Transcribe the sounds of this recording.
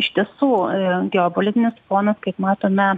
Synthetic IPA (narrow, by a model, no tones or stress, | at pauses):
ɪʃʲt̪ʲiɛsuːɡʲɛoːpolʲɪt̪ʲɪnʲɪsfoːnɐskɐɪpmɑːt̪oːmʲɛ